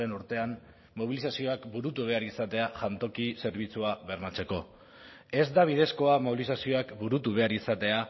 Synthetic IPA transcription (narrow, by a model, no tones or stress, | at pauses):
e̞nuɾt̪e̞amː | o̞β̞ilisasio̞akbuɾut̪uβ̞e̞aɾisat̪e̞aʝant̪o̞kise̞ɾβ̞it͡suaβe̞ɾmat͡se̞ko̞ | e̞zd̪aβ̞iðe̞sko̞amo̞βilisasio̞akbuɾut̪uβe̞aɾisat̪e̞a